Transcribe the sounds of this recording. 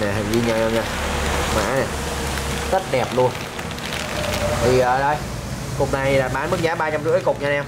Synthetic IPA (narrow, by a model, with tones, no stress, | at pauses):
nɛ˨˩ɦa̰˨˩ŋzi˧ɲa˧˩ɲa˧ɲa˧˩ma̰ː˧˥nɛ˨˩ | zə˦˥t̚ɗɛ˨˩p̚lu˧ən | t̪ʰi˨˩ʔəː˨˩ɗə˧j | kʊ˨˩k͡p̚na˨˩jɗaː˨˩t̚ɓaː˨˦nmɓɨ˦˥ŋ̚ɲaː˨˦ɓaː˧t͡ɕa˧mzɨ̰˧˥əkʊ˨˩k͡p̚ɲaː˧nɛ˧w